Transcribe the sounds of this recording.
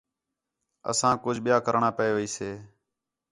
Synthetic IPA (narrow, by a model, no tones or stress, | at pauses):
ə̰sãːkʊd͡ʒʱɓɪjaːkəɾɳaːpəeːʋiːseː